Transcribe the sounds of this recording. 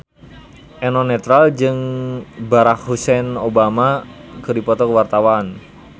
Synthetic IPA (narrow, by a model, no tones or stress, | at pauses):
ʔɛnɔnɛt̪ɾald͡ʒɨŋbaɾakhusɛnobamakərdipɔt̪ɔkəwart̪awan